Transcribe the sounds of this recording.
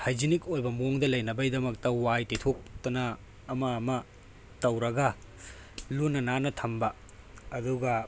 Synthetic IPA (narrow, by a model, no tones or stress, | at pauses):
hajd͡ʒinikojbɐmoŋdɐlɐjnɐbɐjdɐmɐk̚tɐwajtetʰok̚tɐnɐː | mɐːmɐ | tɐwɾɐɡɐ | lunːɐnanɐtʰɐmbɐː | duɡɐ